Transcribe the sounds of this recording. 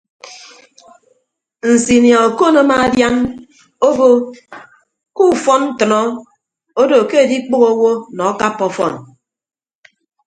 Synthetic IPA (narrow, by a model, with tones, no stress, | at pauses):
n̩˨si˨nja˨o˨ko˦no˦ma˦˨˦dja˦ŋ | o˦bo˦ | ku˦˨fɔ˦nn̩˦tɨ˨nɔ˦ | o˦do˨ke˦e˨di˦k͡po˦ɣo˦wo˦nɔ˨˦ka˦pːɔ˨fɔ̰˦˨n